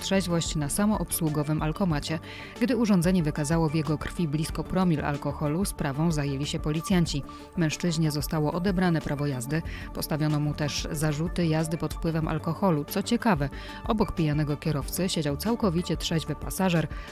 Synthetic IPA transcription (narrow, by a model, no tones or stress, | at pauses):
t̪ʂɛʑvɔɕt͡ɕnasamɔʔɔpswuɡɔvɘmʔalkɔmat͡ɕɛ | ɡd̪ɘuʐɔnd̪ɛɲɛvɘkazawɔvjɛɡɔkɾfʲiblʲiskɔpɾɔmʲila̰lkɔxɔluspɾavɔ̃w̃zajelʲiɕɛpɔlʲit̪sʲjaɲt͡ɕi | mɛ̃w̃ʂt͡ʂɘʑɲɛzɔst̪awɔʔɔd̪ɛbɾanɛpɾʔavɔjazd̪ɘpɔst̪avʲjɔnɔmut̪ɛʐzaʐut̪ɘjazd̪ɘpɔt̪fpwɘvɛmʔa̰lkɔxɔlut̪sɔt͡ɕɛkavɛ | ʔɔbɔkpʲijanɛɡɔkʲɛɾɔft̪sɘɕed͡ʑawt̪sawkɔvʲit͡ɕɛt̪ʂɛʑvɘpasaʐɛɾ